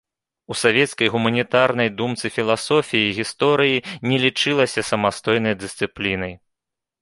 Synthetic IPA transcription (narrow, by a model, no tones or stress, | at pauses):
usavʲɛt̪skɐjɣumɐnʲit̪aɾnɐjd̪umt̪sɨfʲilˠasɔfʲijiːɣʲist̪ɔɾɨjinʲɛlʲit͡ʂɨlˠɐsʲɐsɐmast̪ɔjn̪ɐjd̪ɨsʲt̪sɨplʲinɐj